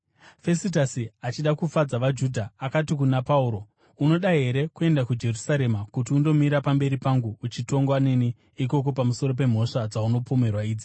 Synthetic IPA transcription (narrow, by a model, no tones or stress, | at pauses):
fe̞sit̬asiat͡ʃiɗakufad͡zaʋad͡ʒudʱaːkatikunapauɾo̞ | uno̞ɗaɦe̞ɾe̞kue̞ndakud͡ʒe̞rusaɾe̞makut̬iundo̞miɾapambe̞ɾipaŋɡuːt͡ʃito̞ŋɡoaneni | ik̬o̞k̬o̞pamuso̞ɾo̞p̬e̞m̤o̞ʂad͡zauno̞pome̞rwaiːd͡zi